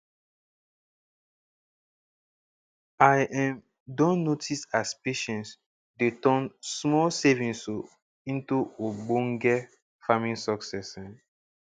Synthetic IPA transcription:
ajʔɛ̃m | dɔ̃nːotʰisaspeʃɛ̃ns | detɔ̃nsmɔlsevĩnso | ĩntuoɡ͡bõŋɡɛ | famĩnsɔksɛsɛ̃n

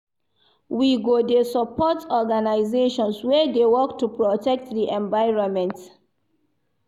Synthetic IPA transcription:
wiɡodesɔpɔtɔɡanaɪzeʃɔ̃nswɛdewɔktupɹɔtɛk̚tdiʔɛ̃ɱvaɪɹɔ̃nmɛ̃nt

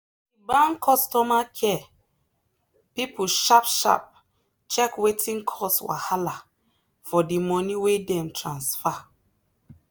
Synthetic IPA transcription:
ibãnkʰɔstɔmakʰɛ | pipʰuʃapʃa̰p̚ | t͡ʃɛkwetʰĩŋkʰɔswa̰hala | fɔdimɔniwedɛ̃mtɹãnsfa

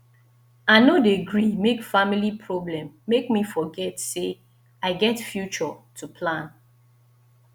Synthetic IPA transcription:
aɪnodeɡɹimekfamilipʰɹɔblɛ̃mːekmifɔɡɛtse | aɪɡɛtfjut͡ʃɔtʰupʰlãn

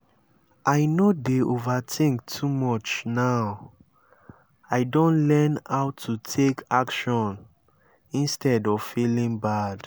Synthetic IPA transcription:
ʔaɪnodeovatʰĩŋk̚tʰumɔt͡ʃnaʊ | aɪdõnlɛnaʊtʰutʰekakʃɔ̃n | ĩnstɛdɔv̥filĩŋbad̥

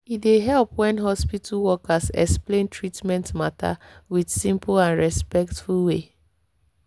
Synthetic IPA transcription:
ideɦɛlpwɛ̃nɦɔspitʰalwɔkasɛ̰ksplẽntʰɹitmɛ̃ntmata̰widsĩmplãnɹɛspɛktfulwe

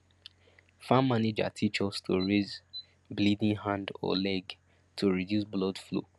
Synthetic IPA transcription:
fãmːaned͡ʒa̰tʰit͡ʃɔstʰoɹez | blidĩnhãndɔ̰lɛɡ | tʰoɹidjusblɔdflo̰

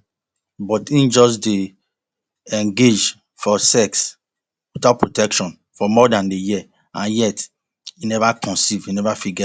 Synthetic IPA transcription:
bɔtĩnd͡ʒɔs̬de | ɛ̃ŋɡed͡ʒ | fɔsɛks | totapʰɹotɛkʃɔ̃n | fɔmɔdãndeji | ãnjɛt | inɛvakʰɔ̃nsivinɛvafiɡɛ

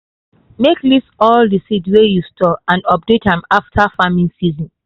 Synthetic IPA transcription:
meklisɔldisitwejustʰɔãndɔp̚dethãmaftʰafamĩnsizɔ̃n

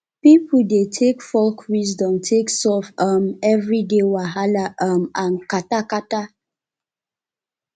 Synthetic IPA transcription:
pipudetʰekfɔlkʰwis̬dɔ̃mtʰeksɔfamɛvɹidewaɦalaʔamãnkatakata

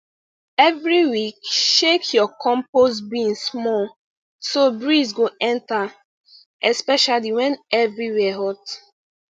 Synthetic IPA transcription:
ɛvɹiwikʃekʰjɔkʰɔ̃mposbĩnsmɔl | sobɹisɡoɛ̃nta | ɛspɛʃaliwɛ̃nɛvɹiwɛɦɔt

